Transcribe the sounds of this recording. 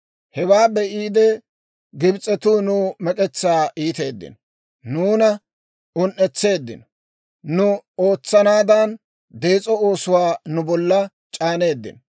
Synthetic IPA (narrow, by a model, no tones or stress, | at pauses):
hɛwaːbɛʔiːd̪ɛ | ɡɪbt͡sʼɛt̪uːnʊmɛkʼɛt͡sːaːʔiːt̪e̞̰ːd̪ːɪ̰nɔ | nuːnɐ | ʊnʔɛt͡sːe̞ːd̪ːɪ̰nɔ̥ | nʊo̞ːt͡sːɐnaːd̪ɐn | d̪e̞ːt͡sʼɔoːsʊwaːnʊbɔlːɐ | t͡ʃʼaːne̞ːd̪ːɪ̰nɔ